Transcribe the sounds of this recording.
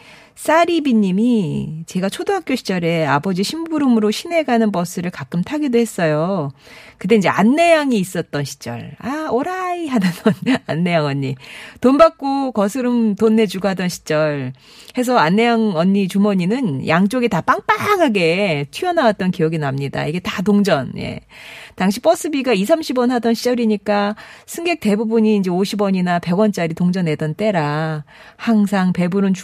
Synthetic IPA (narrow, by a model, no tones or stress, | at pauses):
s͈aɾibiɲimit͡ɕe̞ɡat͡ɕʰodoɦak͈joɕʰi̥t͡ɕ͈ʌɾe̞abʌd͡ʑiɕʰimbuɾɯmɯɾoɕʰime̞ɡanɯnpʌs͈ɯɾɯɭkak͈ɯmtʰaɡidoɦe̞s͈ʌjo | kɯt̬͈e̞ind͡ʑe̞ʔanːe̞jaŋiːs͈ʌt̚t͈ʌnɕʰi̥t͡ɕ͈ʌ̰ɭaoɾaiɦadanʌnanːe̞jaŋʌɲːitonbak̚k͈okʌsʰɯɾɯmtonːe̞d͡ʑuɡɦadʌnɕʰi̥t͡ɕ͈ʌɭ | he̞s̬ʰʌanːe̞aŋʌɲːit͡ɕumʌɲinɯnjaŋt͡ɕ͈oɡitap͈aŋp͈aŋaɡe̞t͡ɕʰɥiʌnawat̚t͈ʌnkijʌɡinamɲida̰iɡe̞tatoŋd͡ʑʌnje̞̰taŋɕʰip͈ʌs͈ʰɯbiɡais̬ʰamɕʰibwʌnɦadʌnɕʰi̥t͡ɕ͈ʌɾiɲik͈asʰɯŋɡe̞k̚t͈e̞bubuɲiːnd͡ʑe̞oɕʰibwʌɲinape̞ɡwʌnt͡ɕ͈aɾitoŋd͡ʑʌne̞dʌnt͈e̞ɾa | haŋsʰaŋpe̞buɾɯnt͡ɕ